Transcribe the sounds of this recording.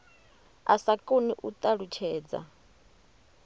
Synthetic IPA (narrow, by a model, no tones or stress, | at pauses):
asakʼoniʔut̪ʼaɺut͡ʃʰɛːd͡za̰